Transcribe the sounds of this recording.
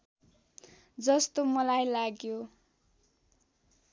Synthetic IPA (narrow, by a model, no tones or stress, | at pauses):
d͡zʌst̪omʌlajlaɡjo